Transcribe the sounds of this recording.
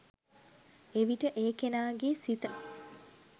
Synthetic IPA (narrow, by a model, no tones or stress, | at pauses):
eʋiʈəʔeːkenaːɡesit̪ə